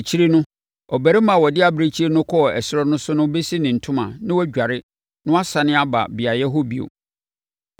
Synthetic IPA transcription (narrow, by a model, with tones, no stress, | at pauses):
t͡ɕʰi˦ɾi˦nʊ̃˦ | ɔ˨bæ˨ɾi˦mã˨wɔ˨dɪ˦a˨bɾe˦t͡ɕʰi˦ɾi˦nʊ̃˦kʰɔ˦ɔ˨ɛ˨sɪ˦ɾɔ˦nʊ̃˦sʊ˦nʊ̃˦be˦si˦nɪ̃˨n̩˨tʰʊ̃˦mã̰˨nɪ̃˦wɔ˦ɟᶣa˨ɾɪ˦ | nʊ̃˦a˦sa˨nɪ̃˦a˦ba̰˨bɪ˨a˨jɛ˦ɦo˦bi˦o̰˨